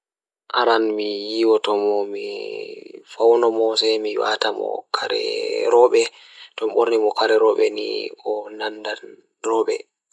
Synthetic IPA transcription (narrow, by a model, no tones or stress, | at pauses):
ʔaɾanmijiːwɔtɔmɔmi | fawnɔmɔsɛmiwa̰tamɔ̰kʰaɾɛ̰ɾɔɓɛ | tɔmɓoɾnimɔkaɾɛɾɔɓɛ̰nḭɔnanːdal | ɾɔːɓɛ